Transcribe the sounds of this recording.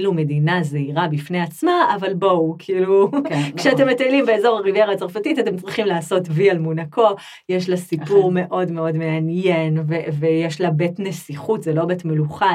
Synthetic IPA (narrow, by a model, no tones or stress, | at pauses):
lume̞dinazeiʁabifne̞at͡smaavalbo̞wkʰiilukʃeate̞mːetaelimbeezo̞ʁaʁivjeʁat͡saʁfatitate̞mt͡sʁiχimlaːso̞tvialmunakʰo̞ | jeʃlasipuʁme̞ʔo̞dmeo̞dme̞anjenvevejeʃlabetnesiχutzelo̞betmeluχa